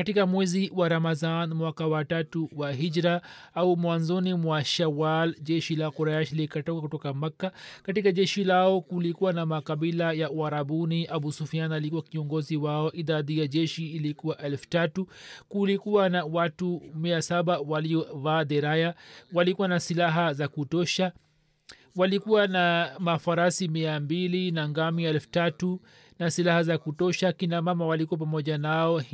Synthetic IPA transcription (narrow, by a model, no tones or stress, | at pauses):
katikamwɛziwaɾamazanmwakawatatuwaɦiʄɾaaumwanzɔnimwaʃawalʄɛʃilakuɾajaʃlikatɔkakutɔkamakːakatikaʄɛʃilaɔkulikuwanamakaɓilajauaɾabuniʔaɓusufianalikuwakiɔŋɡɔziwaɔʔiðaðijaʄɛʃiːlikuwaʔɛlfu̥tatukulikuwanawatumiasaɓawaliɔvaːðɛɾajawalikuwanasilaɦazakutɔʃa | walikuwanamafaɾasimiambilinaŋɡamiɛlfu̥tatu | nasilahazakutɔʃakinamamawalikuwap̬amɔʄanaɔ